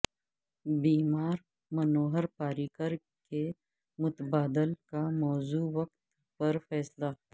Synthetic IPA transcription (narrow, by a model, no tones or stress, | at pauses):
biːmaːɾ | mɐnoːɦəɾpaːɾiːkəɾ | ke | mʊt̪əbaːd̪əlkamɔːzuːwɐkt̪ | pɐɾfɛːsla